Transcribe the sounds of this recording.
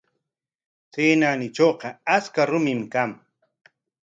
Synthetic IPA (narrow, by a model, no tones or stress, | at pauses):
seːnanɪt͡ʃoːqɑaskaɾʊmɪmkaŋ